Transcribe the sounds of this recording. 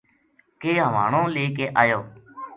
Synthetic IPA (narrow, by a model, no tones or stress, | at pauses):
keːɦəʋa̰ːɳõːleːkeːʔaːjoː